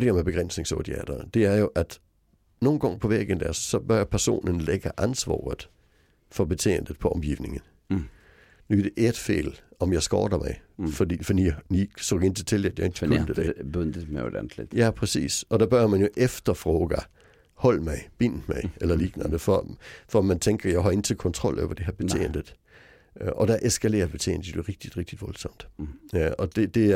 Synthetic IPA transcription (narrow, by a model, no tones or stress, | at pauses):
d̥eæɐmeb̥e̝ɡ̥ʁen̰sne̝ŋso̰d̥iɛ̰d̥ɐd̥e̝æɐjo̝ʔæd̥ | no̝ːn̩ɡ̥ɑŋpʰɒ̽ʋeɡ̥ən̩d̥æɐssɒ̽b̥ɶɐjapʰæɐso̝̰ːnənleɡ̥ɐʔænsʋɑ̰ːð̩ˠ | fɒ̽b̥e̝t͡sʰe̝̰ːnd̥ð̩ˠpʰɒ̽ɒ̽mɡ̥iːʊne̝ŋən̩ | nud̥eʔed̥fḛːlɒ̽mjɑ̈ɪsɡ̥ɒ̰ːɾ̥ɐmɑ̈ɪfɒdḭːfɒd̥ḭnisoːɡe̝n̰t͡sʰe̥t͡sʰe̝læd̥jaend̥l̥ibnd̥əd̥eb̥ønd̥əmd̥æ̰nd̥led̥jæpʰʁɛsḭːsɒ̽d̥æb̥ɶɐmænjo̝ʔefd̥ɐfʁɔːɡ̥æ | hɒ̽l̰mɑ̈ɪb̥in̰̥mɑ̈ɪelɐliɡ̥nɐd̥əfɒfɒmænt͡sʰeŋɡ̥ɐjɑ̈ɪɦɒle̝n̩t͡sʰe̝lkʰɒ̽nt͡sʰʁɒ̽l̰ʔɒ̰ʊɐd̥e̝heɐb̥e̝t͡sʰe̝̰ːnd̥əð̥ | ʔɒ̽d̥æʔesɡ̥ʰælḛːɐb̥e̝t͡sʰḛːnd̥ə̥d̥eʁeɡ̥̚d̥id̥ʁeɡ̥̚d̥id̥ʋɒ̽lsɒ̽m̰d̥ | ɒ̽d̥e̝d̥e̝